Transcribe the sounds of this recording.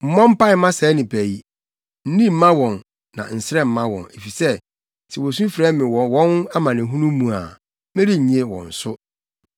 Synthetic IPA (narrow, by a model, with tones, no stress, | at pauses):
m̩˨mɔ̃˦m̩˦pa˦ɪ˨˦mã˦sɛ˨˦nɪ̃˨pʰæ˨i˦ | n̩˦nĩ˦m̩˨˦mã˦wɔ̃˨nː | ã̰˨n̩˨sɪ˦ɾɛ˦m̩˨mã˦wɔ̰̃˨ne˨fi˨sɛ˦ | tʰɪ˨wo˨s̬ũ˦fɾɛ˦mɪ̃˨wɔ˨wɔ̃˦n˦a˦mã˨nɪ̃˨ɦũ˦nũ˦mũ˨a̰˨ | mɪ̃˦ɾi˦ɲ̩˨ɲ˨e˦wɔ̰̃˨n̩˨sʊ˦